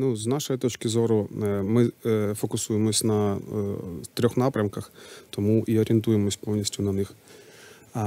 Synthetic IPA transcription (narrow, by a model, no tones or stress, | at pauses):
nuznɑʃɔjit̪ɔt͡ʃkʲɪzɔɾʊmɪfɔkʊsujemɔsʲnɐ | t̪ɾʲɔxnɑpɾʲɐmkɐxt̪ɔmuʔiɔɾʲent̪ujemɔsʲpɔwnʲisʲtʲʊnɐnɪx